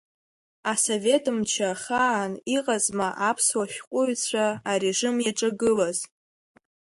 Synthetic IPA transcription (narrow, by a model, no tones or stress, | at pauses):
asove̞tʰʼɨmt͡ʃʰaχaːniqʼazmaʔapʰswaʃʲᶣqʷʼʊɥt͡sʷʰaaɾeʐɨmjaʈ͡ʂʼaɡɨlaz